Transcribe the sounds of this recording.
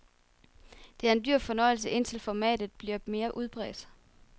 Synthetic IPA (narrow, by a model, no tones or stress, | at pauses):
d̥e̝æɐe̝nd̥yɐ̰̥fɒ̽nɒ̽ɪl̩s̬əʔe̝n̰t͡sʰe̝lfɒmɛ̰ːd̥ð̩ˠb̥liɐme̝ːɐʔuð̞ˠb̥ʁɛ̰ːd̥